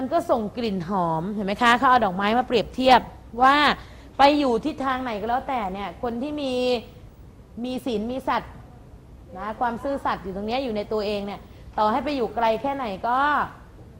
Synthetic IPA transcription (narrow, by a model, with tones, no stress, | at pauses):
ma˧nkɔː˥˩so˨˩ŋkɾi˨˩nɦɔː˩˦mhʰe˨˩˦ma˦˥jkʰa˦˥ʔkʰaː˦˥˩wʔa˧wdɔː˨˩k̚maː˦˥jmaː˧pɾi˨˩əp̚t̪ʰi˥˩əp̚ | waː˥˩ | pa˧jːuː˨˩t̪ʰi˦˥˩t̪ʰːaː˧ŋna˨˩˦jkːlɛː˦˥wt̪ɛː˨˩ni˥˩ɐkʰo˧nt̪ʰiː˥˩miː˧ | miː˧siː˨˩˦nmiː˧sa˨˩t̪̚ | na˦˥kʰwaː˧msɯː˥˩sa˨˩t̪̚juː˨˩t̪oː˧ni˦˥ɐjuː˨˩na˧jt̪u˧ɐʔeː˧ŋni˥˩ɐ | t̪ɔː˨˩ha˥˩jpa˧jːuː˨˩kɾa˧jkʰɛː˥˩na˨˩˦jkɔː˥˩